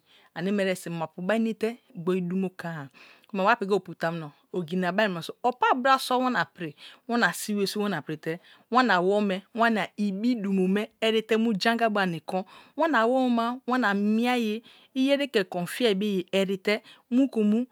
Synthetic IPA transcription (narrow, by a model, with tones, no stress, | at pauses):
a˨ni˦me˨ɾɛ˨si˨ma˨pu˨ba˦i˦ne˦te˦ɡ͡bo˨˦i˦du˦mo˦ka˦˨ko˦ma˨wa˦pi˨ɡo˦˨pu˨ta˨m˦no˨ | o˨ɡi˨n˨a˨ba˦˨a˨so˨o˨pa˦˨bɾa˦so˦wa˦na˨pɾi˨wa˦na˨si˦we˨su˦wa˦n˨a˨pɾi˨tɛ˦ | wa˦na˨wo˦me˦wa˦na˨i˨bi˦du˨mo˨me˦ɛ˨ɾi˨te˦mu˦d͡ʒã˦ŋɡa˦ba˨ni˨kɔ˦wa˦n˨a˨wo˦u˦ma˦wa˦na˨mi˦a˦je˦ | i˦je˦ɾe˦ke˨ko˨fi˦a˦˨be˦je˨e˨ɾi˨te˦mu˦ko˨mu˦